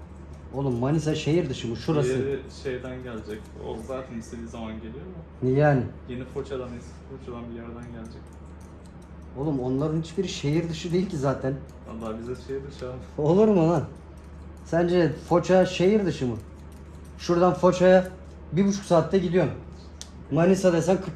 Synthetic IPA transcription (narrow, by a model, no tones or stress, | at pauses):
o̞lˠumːanis̬aʃejiɾd̪ɯʃɯmɯʃuɾaɯʃe̞jd̪ænɟælʲd͡ʒɛc | o̰zaːt̪ʰænisɛbizamanɟe̞lʲijoɾmʊ | jaːnɪjenifo̞t͡ʃʰad̪anesfot͡ʃʰad̪anbijæɾd̪ænɟælʲd͡ʒɛc̚ | o̞lˠumo̞nlˠaɾɯnhit͡ʃbiɾʃejiɾd̪ɯʃɯd̪e̞jilʲcʰizaːt̪ʰæn | a̰lːˠaːbizɛʃejiɾd̪ɯʃao̞lˠuɾumana | sænd͡ʒɛfo̞t͡ʃʰaʃejiɾd̪ɯʃɯmɯ | ʃuɾd̪anfo̞t͡ʃaja | bibut͡ʃʰu̥ksaːt̪ʰːaɟilʲijoɾ | manisad̪ajsankʰɯ